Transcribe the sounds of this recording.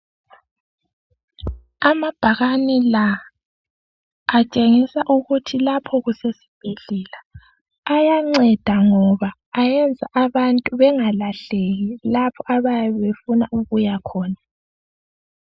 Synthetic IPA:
amab̥ʱaɣanila | t͡ʃʼeŋisaʔuɣutʰilapʰɔɣusesi̥b̥ʱeɮɛlaː | jaŋ͡ǀɛd̥ʱaŋɔβaː | jɛnd͡zʱaʔaβantʼuβɛŋalaɬeɣilapʰɔʔaβajɛβefunaʔuɣujakʰɔːna

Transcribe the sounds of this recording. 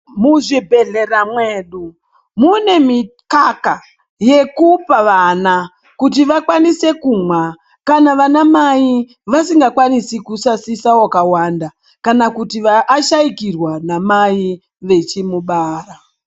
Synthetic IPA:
muʐibʱe̞ɮe̞ramwe̞ːɗu | mune̞mikaka | je̞kupaʋana | kut̬iʋakwanise̞kumwa | kanaʋanamai | ʋasiŋɡakwanisikusasisawakawanda | kanakutiʋaʔːʃaikirwanamai | ʋe̞t͡ʃimuɓaːra

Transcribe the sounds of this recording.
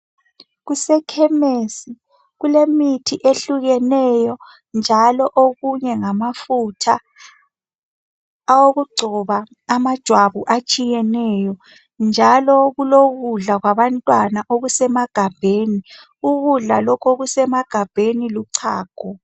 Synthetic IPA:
ɣusɛkʰɛmesi | ɣulemitʰiʔeɬuɣɛnɛjɔ | nd͡ʒʱalɔʔoɣuɲɛŋamafutʰa | woɣuɡ͡ǀʱɔβaː | mad̥ʒ̥ʱwaβuʔat͡ʃʼijɛnɛjɔ | nd͡ʒʱalɔɣuloɣuɮaɣwaβantʼwanaʔoɣusɛmaɡ̥ʱab̥ʱeːni | uɣuɮalɔkʰoɣusɛmaɡ̥ʱab̥ʱeniluǀʰaːɡ̥ʱɔ

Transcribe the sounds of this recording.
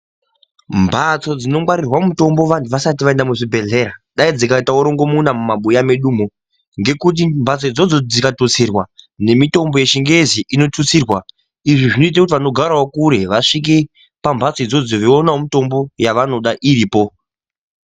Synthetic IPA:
mbʱat͡so̞d͡zino̞mwaɾirwamuto̞mbo̞ʋantuʋasatiʋae̞ndamuʐibʱe̞ɮe̞ɾaɗaid͡zikaitauɾo̞ŋɡo̞munamumaɓujame̞ɗuːmo | ŋɡe̞kut̬imbʱat͡soid͡zod͡zo̞d͡zikatut͡sirwane̞mito̞mbo̞je̞ʃiŋɡeziʔino̞tut͡siːrwa | iʐiʐino̞it̬akutiʋano̞ɡʱaɾaokuɾe̞ʋaʂik̬e | pambʱat͡soid͡zod͡zoʋionaomito̞mbo̞jaʋano̞ɗaʔiɾiːpo

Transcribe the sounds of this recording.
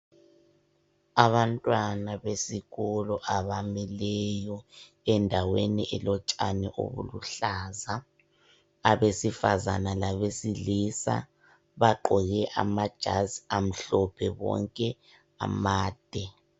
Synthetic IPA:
aβantʼwanaβesiɣɔlɔʔaβamɛlɛjɔ | ɛndʱaweniʔɛlɔt͡ʃʼanɛ̰ʔo̰βṵluɬaːzaː | βesifa̰za̰nalaβesilisa̰ | βaǃɔɣɛʔa̰mad̥ʒ̥ʱaziam̩ɬɔpʰɛβɔ̰ŋkʼɛ | a̰maːd̥ʱɛ

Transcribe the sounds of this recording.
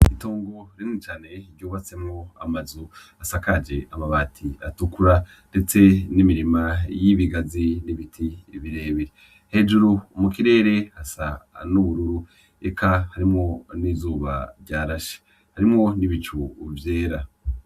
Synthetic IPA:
itoːŋɡo̞ɾinit͡ʃaːne̞iɾɟoːβat͡se̞mŋo̞a̰mazu | asakad͡ʒe̞amaβaːtʰiatukuɾa | nde̞t͡se̞nimiɾimajiβiɡaziniβitʰiβiɾe̞ːβiɾe | he̞d͡ʒuɾuːmukiɾe̞ːɾe̞hasanuβuɾuɾu | ekʰahaɾimŋo̞nizuːβa̰ɾɟaːɾaʃe̥ | haɾimŋo̞niβit͡ʃuvjeːɾa

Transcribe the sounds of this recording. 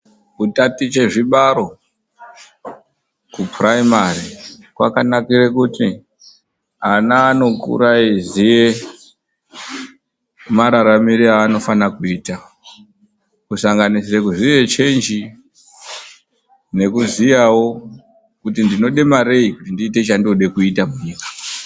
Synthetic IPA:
kutatit͡ʃe̞ʐiɓaɾo̞ | kupraimari | kwa̰kanakirekuti | anaːno̞kṵɾaizije | maɾaɾamiɾiaːno̞fanakuiːta | kusaŋɡanisirekuzije̞t͡ʃe̞nd͡ʒi | ne̞kuzijawo̞ | kutindino̞ɗe̞maɾe̞ikutindiːte̞t͡ʃandiuɗe̞kuitamuɲiːkḁ

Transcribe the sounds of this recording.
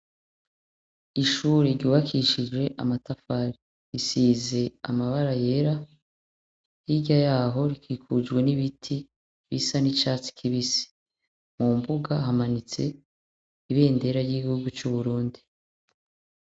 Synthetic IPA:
iʃuːɾeɾɟuːβakʰiʃid͡ʒwe̞ʔamatafaːɾi | ɾisiːze̞a̰maβaɾaje̞ɾa | jiɟajaːɦo̞ɾikʰikʰud͡ʒɡwe̞niβitʰi | βisanit͡ʃaːt͡si̥kʰiβisi̥ | mumbuɡaɦamanit͡se̞̰ | iβe̞ːnde̞ɾaɾɟiːɡihuɡut͡ʃuβuɾuːndi

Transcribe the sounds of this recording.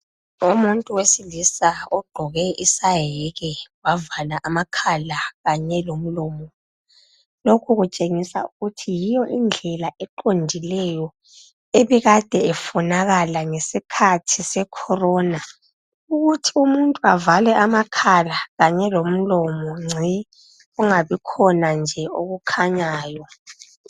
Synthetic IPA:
umuntʼuwesilisaɔɡ͡ǃʱɔɣɛʔisajɛɣɛwavalaʔamakʰalaɣaɲɛlom̩lɔːmɔ | lokʰuɣut͡ʃʼeŋisa̰uɣutʰijijɔʔind͡ɮʱɛlaʔɛǃondʱilɛjɔ | eβɛɣad̥ʱɛɛfɔnaɣalaŋesikʰatʰisɛkʰɔrɔːna | uɣutʰiumuntʼuavalɛʔamakʰalaɣaɲɛlom̩lɔmɔŋ͡ǀʱi | ɣuŋaβikʰɔnand͡ʒʱɛoɣukʰaɲaːjɔ

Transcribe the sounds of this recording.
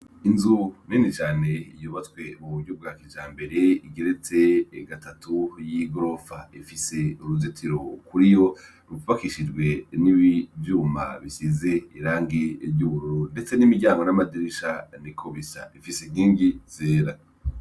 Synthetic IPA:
inzuninit͡ʃaːne̞ijuβatkwe̞βuβuɾɟob̚ɡaːkid͡ʒaːmbe̞ɾe̞iɡeɾet͡se̞ɡatʰatujiɡɾo̞faifise̞uɾuzetʰiɾo̞kuɾijo̞ | ɾuβakiʃid͡ʒɡwe̞niβivjuːma̰βisize̞iɾaːŋɡibɟuβuɾuɾonde̞t͡se̞nimiɟaːŋɡonamadiɾiʃanikʰoβisa̰ifiseɡiːŋɡiz̥eːɾa

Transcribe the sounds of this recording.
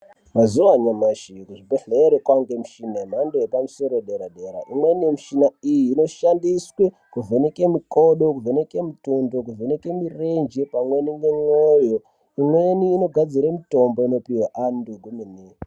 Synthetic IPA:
mazuʋaɲamaʃikuʐibeɬeɾekwaŋɡemuʃinamandojepamuso̞ɾo̞ɗeɾaɗe̞ɾa̰ʔimwenijemiʃinaijiːno̞ʃandiswe | kuvenekemikoɗo̞kuvenekemitundok̬uvenekemirend͡ʒepamweniŋɡeŋojo | imwe̞niːno̞ɡʱad͡ziɾamito̞mboino̞piwaʔanduɡʱumini

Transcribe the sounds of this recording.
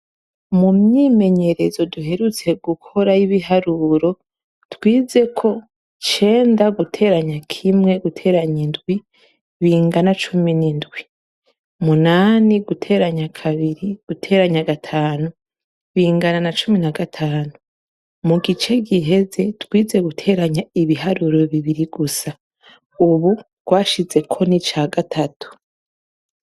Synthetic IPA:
mumɲiːme̞ɲe̞ɾe̞zo̞duɦe̞ɾut͡se̞ɡukʰo̞ɾaiβiɦaɾuɾo̞ | twiːze̞kʰo̞ | t͡ʃe̞ːndaɡutʰe̞ːɾaɲakʰimŋe̞ɡutʰe̞ːɾaɲindɡwi | βiːŋɡanat͡ʃuminindɡwi | munaːniɡutʰe̞ːɾaɲakʰaβiɾiɡ̥utʰe̞ːɾaɲaɡatʰaːnu | βiːŋɡananat͡ʃuminaɡatʰaːnu | muɡit͡ʃe̞ɡiɦe̞ze̞twiːze̞ɡutʰe̞ːɾaɲaiβiɦaɾuɾo̞βiβiɾiɡusa | uβu | ɡ̥waːʃize̞kʰo̞nit͡ʃaːɡatʰatʰu̥

